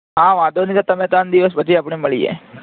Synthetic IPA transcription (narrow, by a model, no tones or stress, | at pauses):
ɦãːʋãːd̪ʱonɪk̪at̪ɐmẽt̪and̪ɪʋəspət͡ʃʰiapɽeməɭiḛː